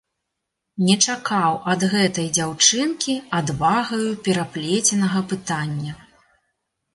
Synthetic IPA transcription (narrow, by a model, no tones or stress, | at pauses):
nʲɛt͡ʂakawʔɐd̪ɣɛt̪ɐjd͡zʲawt͡ʂɨnkʲiad̪vaɣɐjupʲɛɾaplʲet͡sʲɛnɐɣɐpɨt̪anʲːɐ